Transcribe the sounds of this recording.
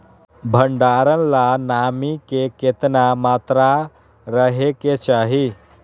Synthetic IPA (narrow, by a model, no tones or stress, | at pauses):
bʱəɳɖaɾənlanamikeket̪namat̪ɾa | ɾəɦeket͡ɕaɦi